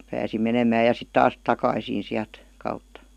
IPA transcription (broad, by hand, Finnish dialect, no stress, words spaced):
pæːsi menemæː jɑ sit tɑːs tɑkɑisin̞ siælt kɑutːɑ